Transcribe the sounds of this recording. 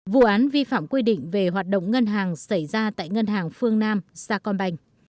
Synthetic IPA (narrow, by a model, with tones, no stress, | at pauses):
vṵ˧˨ʔaː˨˦nvi˧fa̰ː˧˨mkwi˧ɗḭ˧˨ŋ̟ve˨˩ɦwaː˨˩t̚ɗə̰˧˨wŋ͡mŋə˧nɦaː˨˩ŋsa˧˩jzaː˧t̪a̰ː˧˨jŋə˧nɦaː˨˩ŋfɨ˧əŋnaː˧mzaː˧kɔ˧nɓa˧jŋ̟